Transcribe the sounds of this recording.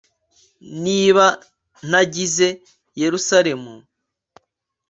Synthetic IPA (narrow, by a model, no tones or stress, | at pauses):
niːβa | n̥aɟize̞ | je̞ɾusaɾe̞mu